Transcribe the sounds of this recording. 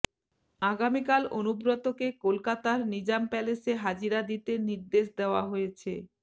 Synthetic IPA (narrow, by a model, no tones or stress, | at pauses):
aɡamikalonubɾot̪okekolkat̪aɾnid͡ʑampɛleseɦad͡ʑiɾad̪it̪eniɾd̪eʃd̪eoaɦojet͡ɕʰe